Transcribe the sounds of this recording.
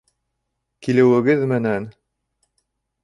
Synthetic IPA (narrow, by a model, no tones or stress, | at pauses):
kilɘ̆wɘ̆ɡɘðmɘ̆næn